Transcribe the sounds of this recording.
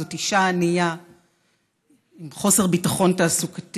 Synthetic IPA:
otiʃaːnija | imχo̞seʁbitaχo̞ntaːsukḁt

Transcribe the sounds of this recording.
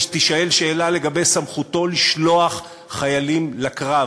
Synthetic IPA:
t̪iʃae̞lʃe̞ːlale̞ɡabe̞jsamχuto̞liʃlo̞aχ | χajalimlakʁa

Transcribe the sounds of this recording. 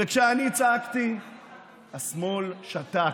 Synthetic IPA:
ekʃeanit͡saakt̪i | hasmolʃat̪a

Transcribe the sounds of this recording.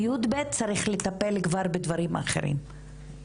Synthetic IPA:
ud̪bet̪̚t͡saɾiχlet̪ape̞lɡvaɾbed̪vaɾima̰χeɾḭm

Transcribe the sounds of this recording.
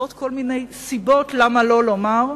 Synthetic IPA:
ot̪ko̞lmine̞jsibo̞tlamalo̞lo̞maʁ

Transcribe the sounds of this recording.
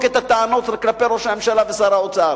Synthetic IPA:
ket̪at̪aanot̪lklape̞ɾoʃame̞mʃalavesaɾaot͡saɾ

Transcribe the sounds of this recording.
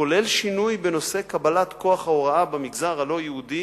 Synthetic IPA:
ole̞lʃinujbeno̞se̞kabalat̪ko̞aχhaoʁaabamiɡzaʁalo̞jehud̪i

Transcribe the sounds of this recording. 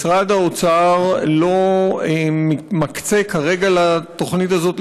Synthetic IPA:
sʁad̪aot͡saʁlo̞emimakt͡se̞kʰaʁe̞ɡalat̪o̞χnit̪azo̞t̪

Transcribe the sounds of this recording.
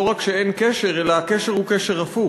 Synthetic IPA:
oʁakʃeenkeʃeʁelaːkeʃeʁhukeʃeʁafu

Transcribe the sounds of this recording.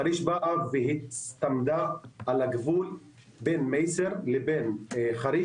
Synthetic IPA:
aɾiʃbaʔaveɦitst̪amd̪aːlaɡvul | benmejseʁlebenχaɾi

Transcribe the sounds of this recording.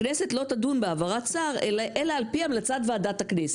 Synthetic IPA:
nese̞t̪lo̞t̪adunbeavaʁatt͡saʁeʔelaːlpiamlat͡sat̪veadat̪haknese̥

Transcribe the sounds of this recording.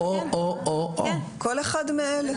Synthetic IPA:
ooʔoʔo | koleχad̪meel

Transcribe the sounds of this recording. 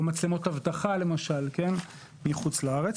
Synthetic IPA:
mat͡slemo̞thavt̪aχale̞maʃalke̞n | miχut͡slaaʁet͡s

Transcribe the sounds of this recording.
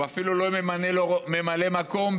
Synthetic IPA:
afilɔlɔmanɛlɔmɛmalɛmakɔmb

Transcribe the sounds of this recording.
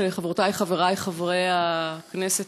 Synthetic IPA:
leχavʁot̪ajχaveʁajχavʁejaknese

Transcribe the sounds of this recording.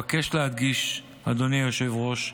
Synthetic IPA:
ake̞ʃlead̪̚ɡiʃ | ad̪onijoʃe̞vʁo̞ʃ

